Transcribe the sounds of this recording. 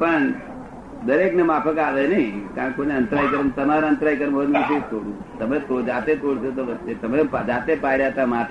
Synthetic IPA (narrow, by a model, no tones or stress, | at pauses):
pəɳ | d̪əɾeknemapʰəkaʋenəĩkãːkkoneənt̪ɾaikəɾnt̪əmaɾeə̃nt̪ɾaikəɾmod̪ũt͡ʃʰet̪oɽũ | t̪əmet̪od͡ʒat̪et̪oɽsot̪oʋət͡ʃːet̪əmepad͡ʒat̪epaiɾat̪amaʈe